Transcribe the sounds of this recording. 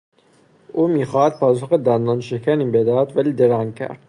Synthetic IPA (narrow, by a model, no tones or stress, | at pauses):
ʔuːmiːxɒːhæd̪̥̚pʰɒːsoxed̪ænd̪ɒːnʃekʰæniːbed̪ɒːæd̪væliːd̪eɾæŋcʰæ̰ɾd̪̥